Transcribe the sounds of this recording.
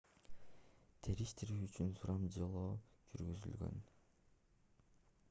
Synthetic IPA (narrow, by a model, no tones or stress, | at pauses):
t̪ʰeɾiʃt̪iɾyːt͡ʃynsuɾɑmd͡ʒɑlˠoːd͡ʒyɾɡyzy̰lɡø̞̰n